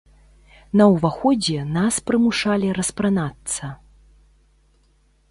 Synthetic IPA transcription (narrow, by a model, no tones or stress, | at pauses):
nɐwvaxɔd͡zʲɛnaspɾɨmuʂalʲiɾɐspɾanat̪sɐ